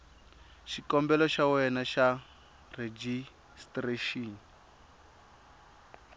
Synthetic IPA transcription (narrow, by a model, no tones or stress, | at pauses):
ʃikɔmbɛlɔʃawɛnaʃa | red͡ʒi | streʃiːn